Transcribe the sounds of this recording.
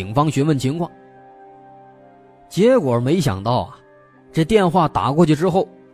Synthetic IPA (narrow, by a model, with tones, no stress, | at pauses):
i˨˩ŋfɑ˥ŋɕɥɛ˧˥mə˥˩nt͡ɕʰi˧˥ŋkʰwɑ˥˩ŋ | t͡ɕjɛ˧˥kwɔ˨˩˥me˧˥ɪɕjɑ̰˨˩ŋt̪ɑ˥˩ʊɐ̰˨˩ | ʈ͡ʂɤ˥˧t̪jɛ˥˧nxwa˥˩t̪a̰˨˩kwɔ˥˧t͡ɕʰy˥˩ʈ͡ʂɻ̩˥xo˥˩ʊ